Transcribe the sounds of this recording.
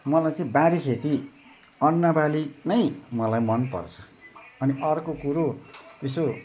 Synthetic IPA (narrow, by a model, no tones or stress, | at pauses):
mʌlajt͡sʌĩbaɾikʰet̪i | ʌnːʌbalinʌjmʌlajmʌnpʌ̰rt͡sʰʌ̥ː | niʔʌrkokuɾoeso